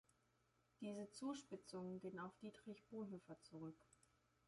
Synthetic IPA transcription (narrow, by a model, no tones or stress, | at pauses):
d̥iːzət͡suːʃpɪt͡sʊŋənɡeːənaʊfd̥iːtʁ̥ɪçb̥oːɦøːfɐt͡suʁʏk